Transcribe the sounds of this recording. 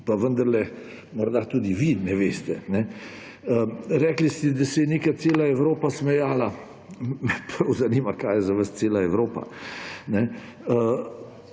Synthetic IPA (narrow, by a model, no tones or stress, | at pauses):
paʋənd̪ɐɾlɛ | mɔɾd̪at̪uːd̪iʋinɛʋeːst̪ɛnɛ | əɾɛːklist̪ɛd̪asɛjɛnekaseːlaɛwɾoːpasmɛjaːla | mɛpʰɾɐwzanimakaːjɛzaʋəst̪seːlaɛwɾoːpa̰nɛ | ə